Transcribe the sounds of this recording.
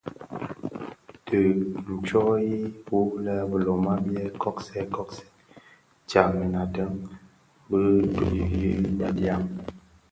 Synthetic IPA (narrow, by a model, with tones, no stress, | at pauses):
tʰə˨n̩˨t͡ʃɔ˦ji˦pu˦lɛ˦bə˨lo˨ma˦bjɛ˦kʰɔ˦ksɛ˦kɔ˦ksɛ̥˦ | t͡ʃa˨mi˨na˨tə˦ŋ | bə˦bi˨i˦ba˦dja˦m